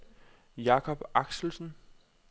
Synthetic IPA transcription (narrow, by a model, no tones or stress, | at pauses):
jɑ̈kʰɒ̽b̥ɑ̈ɡ̥sl̩sn̩